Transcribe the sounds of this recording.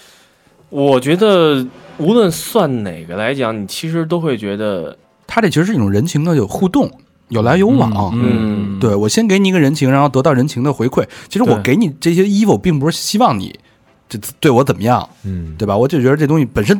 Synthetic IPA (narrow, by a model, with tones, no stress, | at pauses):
wɔ˨˩t͡ɕɥɛ˧˥d̪ə˧u˧˥lwə˥˧nswa˥˩nne˨˩ɪɡə˦la˧˥ɪt͡ɕjɑ˧˥˦ŋni˨˩t͡ɕʰi˧˥ʂ̬ɻ̩˧˥t̪̬o˥ʊxwe˥˩ɪt͡ɕɥɛ˧˥d̪ə̰˧ | t̪ʰa˥ɾə˨˩t͡ɕʰi˧˥ʂɻ̩˧˥˩ʈ͡ʂʊ˨˩ɻə˧˥nt͡ɕʰi˧˥ŋd̪ə˧jo˨˩xu˥˧t̪ʊ˥˩ŋ | jo˨˩ʊla˧˥ɪjo˧˥ʊwɑ̰˨˩ŋɐ˧˥t̪we˥˩ɪwɔ˨˩ɕjɛ˥nke˧˥ɪni˩˧˥ɡə˧ɻə˧˥nt͡ɕʰi˧˥ŋa˧˥xo˥˩t̪ɤ˧˥ɑ˥˩ɻə˧˥nt͡ɕʰi˧˥ŋd̪ə˨xwe˧˥ɪkʰwe˥˩ɪt͡ɕʰi˧˥ʂɻ̩˧˥wɔ˨˥˦ke˧˥ɪni˨˩ʈ͡ʂɤ˥˩ɕjɛ˥i˥fu˥˩pi˥˩ŋp̬u˧˥ʂɻ̩˥˩ɕi˥wɑ˥˩ŋnḭ˨˩˦ | t͡ɕo˥˧˩t̪we˥˩ɪwɔ˧˥t͡sə˨˩mə˦jɑ˥˩ŋt̪we˥˩ba˨˩wɔ˨˩t͡ɕjo˥˩ʊt͡ɕɥɛ˧˥ə˧ʈ͡ʂt̪ʊ̃˥ŋɕi˧˩pə˨˩nʂ̬ə˥n